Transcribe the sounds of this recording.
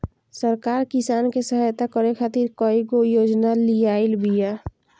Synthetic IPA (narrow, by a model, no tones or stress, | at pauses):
səɾkaɾkisankesəɦəjt̪akəɾekʰat̪iɾkəikojod͡ʒnalijaɪlbija